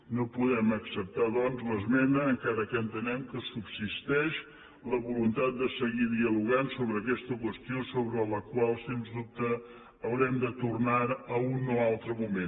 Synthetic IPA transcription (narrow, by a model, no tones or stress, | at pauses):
nopuðɛməksəp̚t̪aðɔnzləzmɛnəːŋkaɾəkənt̪ənɛmkəsubsist̪ɛʃ | ləβulunt̪at̪̚d̪əsəɣiðiəluɣ̞ansoβɾəːkɛst̪əkwəst̪iosoβɾələkwalˠsenzðup̚t̪əː | wɾɛmd̪ət̪urnaɾəunoalˠt̪ɾəmumen